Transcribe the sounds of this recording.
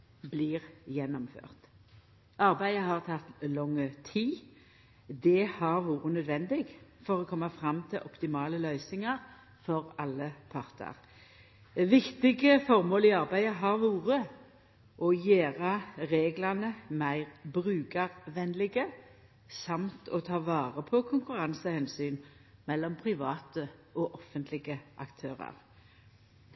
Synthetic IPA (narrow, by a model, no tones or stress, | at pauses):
bliːʁjɛnːɔmfø̰ːʁt̪ | ʔɑʁbæɪəhɑʁt̪ʰɑt̪lɔŋːət̪ʰiː | d̪ɛhɑʁʋuːʁənœd̪ʋɛnd̪ɪɡfɔʁoːkʰɔmːɑfʁɑmt̪ʰɪlʔɔpt̪ɪmɑːləlœʏsnɪŋɑʁ | fɔʁɑlːəpʰɑʁt̪ʰə̰ʁ | ʋɪkt̪ɪɡəfɔʁmoːliːɑʁbæɪəɦɑʁʋuːʁə | ʔɔjeːʁɑʁeːɡlɑnəmæɪʁbʁʉːɡɑʁʋɛnlɪɡə | sɑmt̪ʰɔ̰t̪ʰɑːʋɑːʁəpʰɔkʰʊŋkʉʁɑnsəhɛnsyːn | mɛlːɔmpʰʁɪʋɑːt̪əʔɔʔɔfənt̪lɪɡəʔɑkt̪ʰøːʁɑ̰ʁ